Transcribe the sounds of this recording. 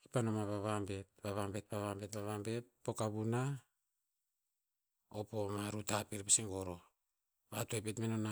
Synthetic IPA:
kipanomaβaβambe̞t̚baβambe̞t̚baβambe̞tbaβambe̞t̚po̞kaβuna | opo̞maɾutapiɾpasiŋɡo̞ɾo̞ | βatoepetmenona

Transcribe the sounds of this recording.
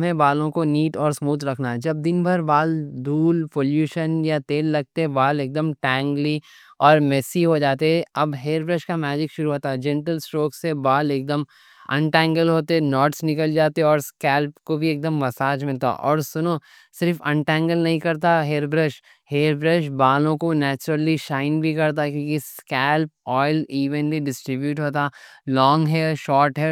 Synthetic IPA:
mẽbaːlõkoniːʈɔːɾsmuːt̪ɾɐkʰnaɦɛd͡ʒɐb̚d̪ɪnbʱɐɾbaːld̪ʱuːlpoːljuːʃənjat̪eːlːɐɡ̚t̪eɦɛ̃baːleːk̚d̪əmʈɛ̃ːŋɡli | ɔːɾmɛsiɦod͡ʒaːt̪eɦɛɐbɦeːɾbɾəʃkamɛːd͡ʒɪkʃʊɾuɦoːt̪aɛd͡ʒɛ̃ɳʈəlsʈoːksebaːleːk̚d̪əm | ɐ̰̃ɳʈɛ̃ːŋɡəlɦoːt̪eɛnɔːʈsnɪkəld͡ʒaːt̪eɛɔːɾskɛːlpkobʱieːk̚d̪əmːɐsaːd͡ʒmɪlt̪a̰ʔɔ̰ːɾsʊno | sɪɾfɐ̃ɳʈɛ̃ːŋɡəlnɐɦĩkɐɾt̪̬aɦeːɾbɾəʃ | heːɾbɾəʃbaːlõkonɛːt͡ʃɾəliʃaːɪnbʱikɐɾt̪̬akjõːkiskɛːlp̚ɔːɪliːʋənliɖɪsʈɾɪbjuːʈɦoːt̪alɔːŋɡɦɛʃɔːɾʈɦɛ

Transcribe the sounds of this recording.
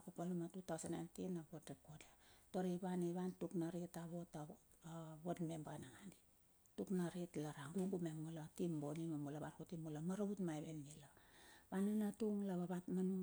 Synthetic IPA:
kopanumatutawsanːajntinabotdekodatoɾiβaniβantuknaɾitaβo̞ta | βotmembanaŋandi | tuknaɾitlaɾaŋɡuŋɡumemulatimbonimamulaβankutimulamaɾautmajβenɡilabananatuŋlaβaβatmanu

